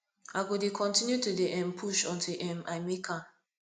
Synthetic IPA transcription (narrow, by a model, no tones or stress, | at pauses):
aɡodekʰɔ̃ntinjutudeʔɛ̃mpʰuʃɔ̃ntiʔɛmʔaɪmikʰa